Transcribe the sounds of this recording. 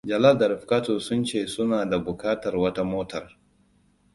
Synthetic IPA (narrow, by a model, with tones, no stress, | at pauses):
d͡ʒɐ˨la˦ldɐ˨ɾɪ˨ɸkaː˦toː˨sʊ˦nt͡ʃeː˦˨sʊ˦naː˨da˨bʊ˨kaː˦tɐ˨rwɐ˦ta˦moː˦tʰɐ˨r